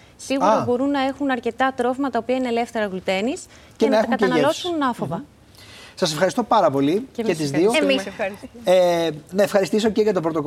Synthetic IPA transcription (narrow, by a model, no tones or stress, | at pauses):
siɣuɾɐbo̞ɾunːɐe̞xunɐɾce̞t̪ɐt̪ɾo̞vimɐt̪ɐopiɐinele̞ft̪e̞ɾɐɣlut̪e̞nis | cenɐɐeɐxukɐt̪enɐelo̞sunɐfovɐ | sɐse̞fxɐɾist̪o̞pɐɾɐpo̞licett̪izðiomiɐi | nɐefxɐɾist̪is̬o̞ceʝɐt̪o̞bɾo̞t̪o̞k